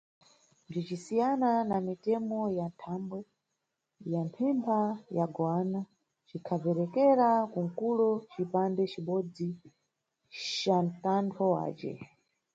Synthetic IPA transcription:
nb͡ʐit͡ʃisijananamitɛmɔjantʰambwɛ | jampʰimpʰajaɡwana | t͡ʃikʰavɛɾɛkɛɾakuŋ̩kulɔt͡ʃipandɛt͡ʃiɓɔd͡zi | t͡ʃantantʰɔwa̰ːt͡ʃɛ̰

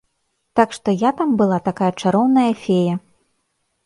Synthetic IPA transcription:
t̪akʂt̪ɔjat̪ambɨlˠat̪akajɐt͡ʂaɾɔwnɐjɐfʲejɐ

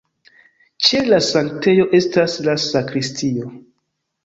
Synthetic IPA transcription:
t͡ʃe̞lasaŋkte̞jo̞ʔe̞staslasakɾistʰio̞

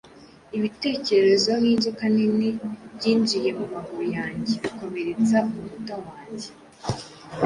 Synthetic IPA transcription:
iβite̞ːce̞ɾe̞zoiːnd͡ʒikaninibɟiːnd͡ʒije̞mumaɡuɾujaːɲɟeβakome̞ɾet͡saumutawaːɲɟe

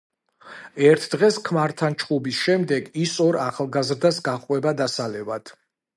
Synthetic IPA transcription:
ɛɾt̪ʰd̪ʁɛskʰmaɾt̪ʰant͡ʃʰχʼubisʃɛmd̪ɛɡisɔɾaχlˠɡazɾd̪asɡaχqʼwɛbad̪asalɛvad̪̥

